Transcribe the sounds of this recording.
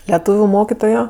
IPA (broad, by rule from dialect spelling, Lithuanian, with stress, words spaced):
lʲɛˈtuːʋʲʊ ˈmoːkʲɪtoːjoː